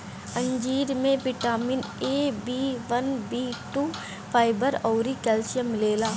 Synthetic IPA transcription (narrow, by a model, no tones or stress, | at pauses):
ə̃ɲd͡ʒiːɾmẽʋɪʈaːmɪneːbiːʋənbiːʈuː | pʰaːɪbəɾɔːɾikɛːlsəmɪleːlaː